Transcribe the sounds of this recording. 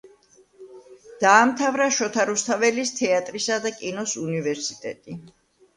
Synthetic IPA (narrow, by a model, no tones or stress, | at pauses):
d̪̥aːmt̪ʰavɾaʃɔt̪ʰaɾust̪ʰavɛlist̪ʰɛat̪ʼɾisad̪akʼinɔsunivɛɾsit̪ʼɛ̰t̪ʼi